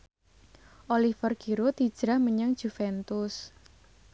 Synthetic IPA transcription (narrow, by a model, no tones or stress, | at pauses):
ʔolifərɡ̥iɾot̪id̥ʒ̥ɾahməɲaŋd̥ʒ̥ufɛnt̪ʊs